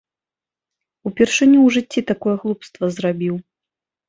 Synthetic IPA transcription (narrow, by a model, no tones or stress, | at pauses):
upʲɛrʂɨnʲuwʐɨt͡sʲːit̪akɔjɛɣlˠupst̪vɐzrabʲiw